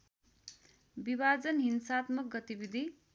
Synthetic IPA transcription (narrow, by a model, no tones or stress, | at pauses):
bibad͡zʌnɦinsaːt̪mʌk̚ɡʌt̪ibid̪ʱi